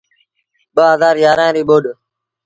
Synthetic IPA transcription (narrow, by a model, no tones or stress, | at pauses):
ɓəɦəzaːɾjaːɾãːɾiːɓoːɗ